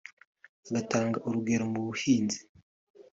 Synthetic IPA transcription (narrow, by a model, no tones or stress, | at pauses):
aɡataːŋɡaʔuɾuɡe̞ɾomuβuhiːnzi̥